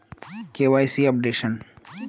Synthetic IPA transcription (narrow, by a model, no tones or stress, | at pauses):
kewaːjsiːɐp̚ɖeʃən